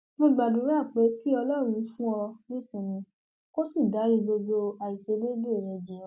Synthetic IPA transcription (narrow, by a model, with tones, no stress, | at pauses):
mõ˧ɡ͡ba˨du˨˦ɾa˦˨k͡pe˨˦ki˦ɔ˧lɔ˦ɾ̃ũ˧˦fũ˦ɔ˧nĩ˦˨sĩ˦˨nĩ˧˦ | ko˦si˦˨da˨˦ɾi˦˧bo˧ɡ͡bo˧a˨i˨se˨˧le˦de˦˨ɾɛ˧d͡ʒĩ˨ɔ̃˨˦